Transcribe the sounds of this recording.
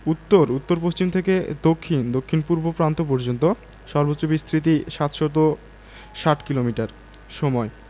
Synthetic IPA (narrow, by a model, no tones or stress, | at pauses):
ut̪ːoɾut̪ːoɾpost͡ɕimt̪ʰeked̪okʰːind̪okʰːinpuɾbʱopɾant̪op̬ɔɾd͡ʑont̪o | ʃɔɾbotːobist̪ʰɾit̪̬iʃat̪ʃot̪̬o | ʃaʈkilomiʈaɾ | ʃɔmɔe